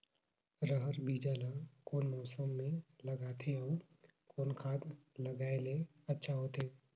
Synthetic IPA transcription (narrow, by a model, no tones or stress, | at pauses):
ɾəɦəɾbiːd͡ʒaːlakoːnmɔːsəmːẽlɐɡaːt̪ʰeɔ | koːnkʰaːd̪ləɡaːele | ɐtːʃʰaɦot̪ʰeː